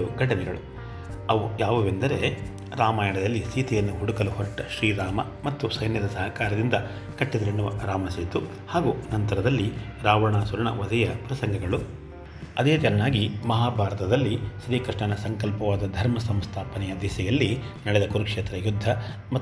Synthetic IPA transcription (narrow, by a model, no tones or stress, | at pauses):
uɡɐʈɐnɛɡɐ̰ɭu | ɐʋujaːʋɐʋend̪ɐɾe̞ | ɾaːmaːjɐɳɐd̪ɐlːisiːt̪ijɐnːuɦuɽukɐluhɔʈːɐʃɾiːɾaːmɐ | mɐt̪ːusɐjnjɐd̪ɐsɐɦɐkaːɾɐd̪ind̪ɐ | kɐʈːid̪ɐɾeɳuʋɐ̰ɾaːmɐsiːt̪u | haːɡunɐnt̪ɐɾɐd̪ɐlːiɾaːʋɐɳaːsuɾɐɳɐ̰ʋɐd̪ɐjɐpɾɐsɐŋɡɐɡɐɭu | ɐd̪e̞ːt͡ʃɐlɐnaːɡimɐɦaːbʱaːɾɐt̪ɐd̪ɐlːisɾiːkɾiʂɳɐnɐsɐŋkɐlpɐʋaːd̪ɐd̪ʱɐɾmɐsɐmst̪ʰaːpɐnɛjɐd̪isɛjɐlːinɐɭɛd̪ɐkuɾukʂeːt̪ɾɐjud̪ʱːɐ | mɐ